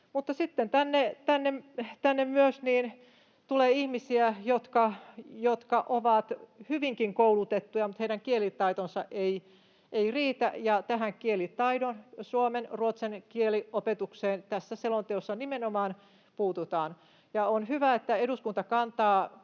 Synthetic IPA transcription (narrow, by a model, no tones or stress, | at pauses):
mut̪ːɑsit̪ːent̪ænːet̪ænːemt̪ænːemmyøsniːn | t̪uleːihmisiæjot̪kɑjot̪kɑʔoʋɑt̪hyʋiŋkiŋkoulut̪et̪ːujɑmut̪heiɾæŋkielit̪ɑit̪onsɑʔei | ʔeiriːt̪æ̰jɑt̪æhæŋkielit̪ɑidonsuomenruot̪senkieliopet̪ukseːnt̪æsːæselont̪eosːɑnimenomɑːn | puːt̪ut̪ɑːn | jɑonhyʋæet̪ːæeɾuskunt̪ɑkɑnt̪ɑː